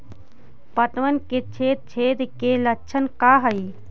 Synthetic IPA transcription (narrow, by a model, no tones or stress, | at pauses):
pət̪ʋənket͡ʃʰeːt̪̚t͡ʃʰeːd̪kelɐt͡ʃʰənkaɦəi